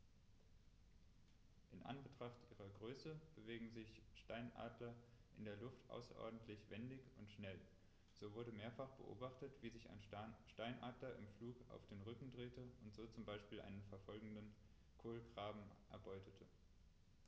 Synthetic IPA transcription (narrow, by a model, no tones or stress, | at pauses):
ʔɪnʔa̰nbətʁ̥aχtʔiːʁɐɡʁøːsəb̥əveːɡŋ̩zɪçʃtaɪnʔa̰ːdlɐʔɪndeːɐlʊftʔa̰ʊsɐ̰ʔɔ̰ɐdn̩tʰlɪçv̥ɛndɪçʊntʃnɛl | z̥oːvʊɐɾəmeːɐfaχb̥ə̰ʔo̰ːbaχtətv̥iːzɪça̰ɪnʃtaɪnʔaːdlɐʔɪmfluːka̰ʊfd̥eːnʁʏkŋ̩dʁeːtəʊntz̥oːt͡sʊmbaɪʃpiːlʔa̰ɪnənfɛɐfɔlɡŋ̩dən | kʰoːlɡʁ̥aːbm̩ʔɛ̰ɐbɔʏtʰətʰə